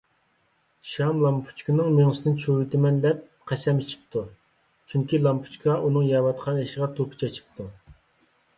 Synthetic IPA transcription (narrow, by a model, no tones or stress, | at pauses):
ʃɑmlˠɑmpʰu̥t͡ʃkɪnɨŋmeŋsɪnɪnt͡ʃʰuit̪ɪmɛnd̪ɛp̚ | qʰæsɛmit͡ʃʰi̥p̚t̪ʰu | t͡ʃʰyŋkʲilˠɑmpʰu̥t͡ʃkʰɑʔunɨŋjɑwɑt̪qʰɑneʃəʁɑt̪ʰupʰu̥t͡ʃʰɛt͡ʃʰi̥p̚t̪ʰu